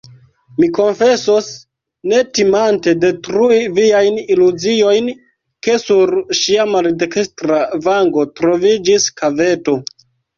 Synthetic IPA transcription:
miko̞nfe̞sos | ne̞timante̞de̞tɾuiviajniluzio̞jn | ke̞suɾʃiamaldekestɾavaŋɡo̞tɾo̞vid͡ʒiskave̞to̞

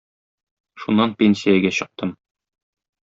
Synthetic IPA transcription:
ʃunːɑnpʲenʲsʲijæɡæɕɤ̆q̚t̪ɤm

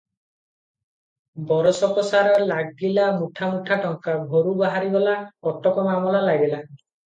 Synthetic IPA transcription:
bɔɾɔsɔpɔsaɾɔlaɡilamuʈʰamuʈʰaʈɔŋkabʱoɾubaɦaɾibɔlaɔt̪ɔkɔmamɔlalaɡela

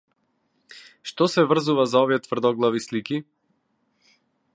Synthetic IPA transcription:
ʃt̪ɔsɛvr̩zuvazaɔvijɛt̪v̥r̩d̪ɔɡlˠavisliki

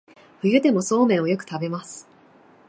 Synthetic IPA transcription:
ɸɯ̟jɯ̟d̪e̞mo̞so̞ːmẽ̞ɰ̃o̞jo̞kɯ̟̥t̪abe̞masɨ̥

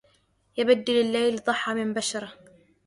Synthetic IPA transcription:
jabad̪ːɪlalːajld̪ˤɑħːɑmɪmbaʃɑɾˤɑ

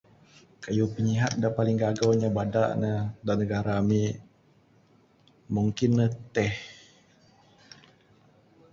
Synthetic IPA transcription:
kajupəɲiɦat̪̚daʔpalɪŋɡaɡawɲabada̰ʔnədanəɡaɾaːmiʔ | muŋkɪnːət̪ɛh

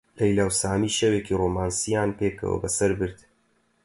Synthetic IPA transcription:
lɐjlaːwsaːmiːʃeweːkiːroːmaːnsijaːnpeːkɐ̰wɐ̰bɐsɐɾbɨɾd̪

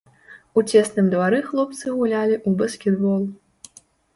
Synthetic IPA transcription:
ut͡sʲɛsnɨmd̪vaɾɨxlˠɔp̚t̪sɨɣulʲalʲiʔubɐskʲɛd̪bɔlˠ

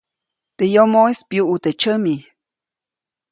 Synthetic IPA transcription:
t̪ejomojspjuʔut̪et͡ʃəmi

